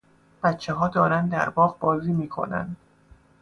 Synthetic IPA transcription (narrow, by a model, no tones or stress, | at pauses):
b̥æt̪t͡ʃʰːeɦɒːd̪ɒːɾænd̪d̪æ̰ɾbɒːʁbɒːziːmiːkʰo̞̰næ̰nd̪